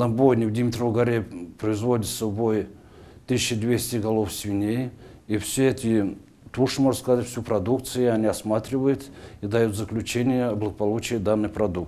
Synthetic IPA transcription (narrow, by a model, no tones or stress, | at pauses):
nɐbojnʲɪvd̪ʲɪmʲɪt̪roɡɐɾʲejpɾəɪzvo̞dʲɪt̪sɐbo̞j | t̪ɨsʲɕəd̪ʲvʲesʲtʲɪɡɐlˠofsʲvʲɪnʲejifsʲeɛt̪ʰʲɪ | t̪uʂɨmo̞ʐt̪skɐzatʲfʲsʲupɾɐd̪uk̚t̪sɨjʊɐnʲiɐsmat̪ɾʲɪvəjʊt̪id̪ɐjut̪zəklʲʉt͡ɕenʲɪjəblˠəɡəpɐlˠut͡ɕɪjəd̪anːɨjpɾɐd̪uk̚t̪